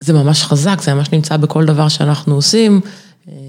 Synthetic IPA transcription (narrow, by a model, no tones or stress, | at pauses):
zemamaʃχazakzemamaʃnimt͡sabeko̞ld̪avaʁʃeanaχnuosim